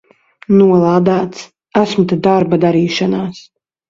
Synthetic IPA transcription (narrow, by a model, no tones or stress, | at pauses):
nuɔlˠaːd̪aːt̪s | æsmt̪ad̪aɾbad̪aɾiːʃanaːs